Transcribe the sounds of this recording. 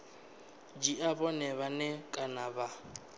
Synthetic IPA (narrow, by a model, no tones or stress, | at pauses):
d͡ʒiʔabɔnɛβanɛkʼanaba